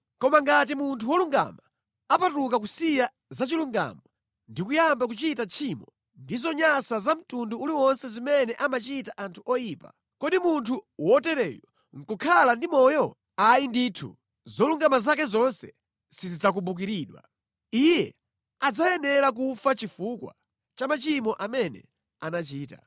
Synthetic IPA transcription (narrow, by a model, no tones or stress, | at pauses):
kɔmaŋɡat̬imuntʰuwɔluŋɡa̰ma | apatuk̬akusija | zat͡ʃiluŋɡa̰mɔ | ndikujambak̬ut͡ʃitat͡ʃʰimɔ | ndizɔɲasazam̩tunduuliwɔnsɛzimɛnɛʔamat͡ʃitaʔantʰuɔjiːpa̰ | kɔɗimuntʰuwɔtɛɾɛ̰jɔ | ŋ̩kukʰalandimɔjɔ | ajinditʰṵ | zɔluŋɡamazak̬ɛzɔnsɛ | sizid͡zak̬umbuk̬iɾiːɗwa̰ | ijɛ | ad͡zajɛnɛɾak̬ufat͡ʃifukwa̰ | t͡ʃamat͡ʃimɔʔamɛnɛ̰ | anat͡ʃiːta̰